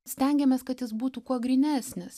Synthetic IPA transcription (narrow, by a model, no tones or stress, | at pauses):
sʲt̪ʲɛˑŋʲɡʲɛmʲeɛskɐt̪jɪsbuːt̪ukuɔɡɾʲɪnʲæːsʲnʲɪs